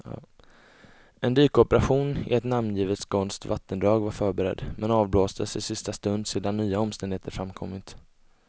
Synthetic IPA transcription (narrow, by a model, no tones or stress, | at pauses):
ʔɛnd̪yːkɔpəɾaɧuːnɪ̰ɛt̪namnjiːvət̪skʰɔnst̪ʰvat̪ːənd̪ɾɑːɡvaɾfœːɾbɛɾɛ̰d̪ːmɛnɑːvbloːsd̪əsɪsɪst̪ast̪ɵnd̪seːd̪anːyːaɔmst̪ɛnd̪ɪheːt̪əɾfɾamkʰɔ̰mːɪt̪